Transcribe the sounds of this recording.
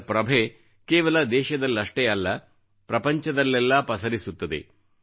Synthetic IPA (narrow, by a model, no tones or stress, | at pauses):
pɾɐbʱe | keːʋɐlɐd̪ɛːʃɐd̪ɐlːɐʂʈeɐlːɐ | pɾɐpɐɲt͡ʃɐd̪ɐlːɛlːɐpɐsɐɾisut̪ːɐd̪ḛ